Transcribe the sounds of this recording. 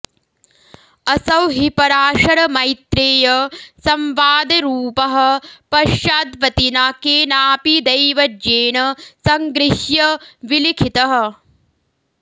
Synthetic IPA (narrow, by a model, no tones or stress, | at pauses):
ɐsɐwɦipɐɾaːʃɐɾɐmɐjt̪ɾeːjɐsɐmʋaːd̪ɐɾuːpɐɦɐ̆pɐʃjaːd̪ʋɐt̪inakeːnaːpid̪ɐjʋɐdeːnɐsɐŋɡɾɪʃjɐʋilikʰit̪ɐɦɐ̆